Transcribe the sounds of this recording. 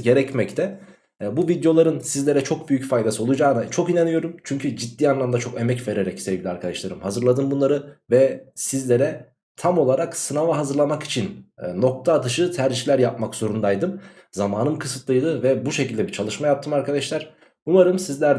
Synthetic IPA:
ɟe̞ɾɛcmɛct̪ʰɛ | buvid̪jo̞lˠaɾɯnsizlʲe̞ɾɛt͡ʃʰo̞k̚byjycfajd̪asɯo̞lˠud͡ʒaːnɯt͡ʃʰo̞kinanyjo̞ɾumt͡ʃʰyɲcʰyd͡ʒid̪ːiːanlˠamd̪at͡ʃʰo̞ke̞mɛcve̞ɾe̞ɾɛcsevɟilʲiaɾkʰad̪aʃlˠaɾɯmhazɯɾlˠad̪ɯmbunlˠaɾɯvɛsizlʲe̞ɾɛ | t̪ʰamo̞lˠaɾaksɯnavaɦazɯɾlˠamaki̥t͡ʃʰinno̞k̚t̪ʰad̪ɯʃɯt̪ʰæɾd͡ʒilʲæɾjap̚makz̥o̞ɾund̪ajd̪ɯm | zamaːnɯmkʰɯsɯt̪lˠɯjd̪ɯvɛbuʃecilʲd̪ɛbit͡ʃʰalˠɯʃmajap̚t̪ʰɯmaɾkʰad̪aʃlˠaɾ̥ | umaɾɯmsizlʲæɾ

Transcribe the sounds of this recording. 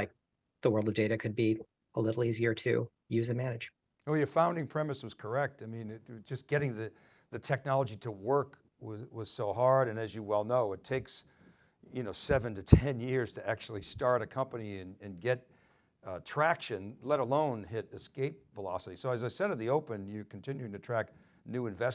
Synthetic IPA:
laɪk̚ | ðəwɜ˞lˠdʌvdeɪɾɨkʰɨd̚bi | əlɪɾl̩ˠiziə˞ɾʰɨ̰ | jʉzɨmænɨ̥d͡ʒ | wɛjə˞fãʊ̃ndɪ̃ŋpʰɹ̥ɛmɨswʌz̥kʰə˞ɛk̚taɪmĩnɪtd͡ʒʌsɡ̥ɛɾɪ̃ŋðɨ | ðɨtʰɛk̚nɑlˠəd͡ʒiɾəwɜ˞k | wʌwʌz̥soʊɦɑɹɾɨ̃nɨzjɨwɛlˠnoʊɨtʰeɪks | jɨnoʊsɛvɨ̃ntɨtʰɛ̃njɪɹz̥tʰɨæk̚t͡ʃul̩ˠistɑɹɾɨkʰʌ̃mpɨniɨ̃nɨ̃nɡɛt̚ | tʰɹ̥ækʃɨ̃nlɛɾəlõʊ̃nɦɪɾɨskeɪp̚vəlɑsəɾisoʊɨzaɪsɛɾɨt̪̚ðioʊpɨ̃njə˞kʰn̩tʰɪ̃njʉtɨtʰɹ̥æk̚ | nʉɨ̃ɱvɛ

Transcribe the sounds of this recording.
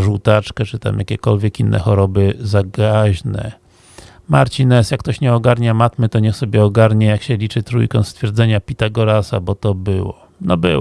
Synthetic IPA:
ʐuwt̪at͡ʂkɛt͡ʂɘt̪a̰mjakʲɛkɔlvʲjɛkinːɛ̰xɔɾɔbɘzaɡaʑnɛ̰ | maɾt͡ɕinɛsjakːt̪ɔɕɲɛɔɡaɾɲamat̪mɘt̪ɔɲɛxsɔbʲjɛɔɡaɾɲɛjakɕɛlʲit͡ʂɘt̪ɾṵjkɔ̃w̃st̪fʲjɛɾd̪zɛɲapʲit̪aɡɔɾasa̰bɔt̪ɔbɘwɔ | nɔbɘ̰w

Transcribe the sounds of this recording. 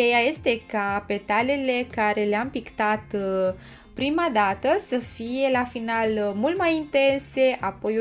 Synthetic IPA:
ejaje̞st̪e̞kape̞t̪alele̞kaɾe̞le̞ampikt̪at̪ | pɾimad̪at̪əsəfije̞lafinalmult̪majint̪e̞nse̞ʔapo̞j

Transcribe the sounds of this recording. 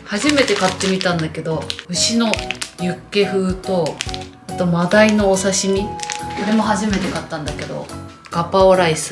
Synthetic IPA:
haʑime̞t̪e̞kat̪ːe̞mʲit̪ãnd̪ake̞d̪o̞ɯ̟ɕino̞jɯ̟kːe̞ɸɯ̟ːt̪o̞ | at̪o̞mad̪aino̞ːsaɕimʲikoɾe̞mo̞haʑime̞t̪e̞kat̪ːãnd̪ake̞d̪o̞̰ | ɡ̥apaoɾais

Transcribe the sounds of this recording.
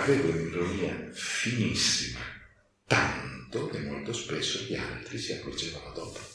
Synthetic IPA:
aveːvounirːoniːafinisːima̰ | t̪ant̪okemːolt̪ospesːoʎia̰lt̪ɾisiakːord͡ʒeːvanod̪ɔːpo̥

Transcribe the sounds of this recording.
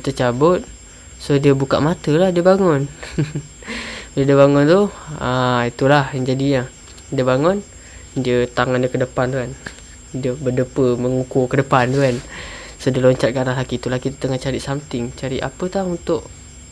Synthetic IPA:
it̪ut͡ʃabʊt̪̚ | sodiəbuka̰ʔmat̪əlahdiəbaŋʊn | lədiəbaŋʊnt̪uhait̪ulahjaŋd͡ʒadiɲa | diəbaŋʊn | diət̪aŋandiəkədəpant̪uan | diəbədəpəməŋukukədəpant̪uan | sodiəloɲt͡ʃat̪̚kaɾaɦlakit̪ulahkit̪u̥t̪əŋat͡ʃaɾiʔsamt̪ɪŋt͡ʃaɾiʔa̰pət̪aunt̪ʊʔ

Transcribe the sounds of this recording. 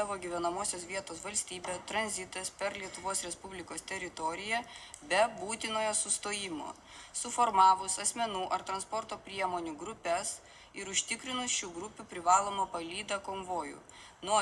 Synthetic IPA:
ɐʋoːɡʲiʋʲɛnɐmoːsʲoːsʋʲiɛt̪oːsʋɐlʲsʲt̪ʲiːbʲeːt̪ɾɐnʲzʲɪt̪ɐspʲɛɾlʲiɛt̪ʊʋoːsɾʲɛspʊbʲlʲɪkoːst̪ʲɛɾʲɪt̪ɔːɾʲɪjɛ | bʲɛbuːt̪ʲɪnoːjoːsʊst̪oːjɪmo̰ː | sʊfoːɾmɑːʋʊsɐsʲmʲɛnuːʔɐɾt̪ɾɐnspɔɾt̪oːpʲɾʲiɛmoːnʲuːɡɾʊpʲɛs | ɪɾʊʃʲt̪ʲɪkɾʲɪnʊsʃʲuːɡɾʊpʲupʲɾʲɪʋɑːlˠoːmɐpɐlʲiːd̪ɐkoːmʋoːjṵː | nuɔ

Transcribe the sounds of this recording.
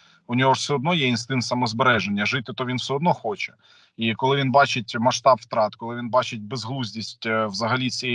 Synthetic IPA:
ʊnʲɔɦɔ̥sʲɛɔd̪nɔjɛinst̪ɪnt̪sɐmɔzbeɾɛʒenʲːɐʒɪt̪ɪt̪ɔʋʲinwsɛɔd̪nɔxɔt͡ʃɛ̥ | ikɔlˠɪʋʲinbɑt͡ʃet̚ʲmɐʃt̪ɑpft̪ɾɑt̪kɔlˠɪʋʲinbɑt͡ʃet̚ʲbezɦlˠuzʲdʲisʲtʲwzɐɦɐlʲit͡sʲi

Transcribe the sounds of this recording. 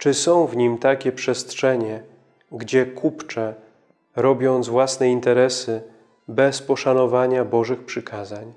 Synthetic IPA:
t͡ʂɘsɔ̃w̃vɲimt̪akʲɛpʂɛst̪ʂɛɲɛ | ɡd͡ʑɛkʰupt͡ʂɛ | ɾɔbʲjɔnt̪zvwasnɛint̪ɛɾɛsɘ | bɛspɔʂanɔvaɲabɔʐɘxpʂɘkʰazaɲ

